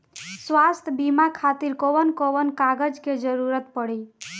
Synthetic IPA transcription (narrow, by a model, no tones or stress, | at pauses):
swast̪ʰbimakʰat̪iɾkoʋənkoʋənkaɡəd͡ʒked͡ʒəɾuɾət̪pəɽi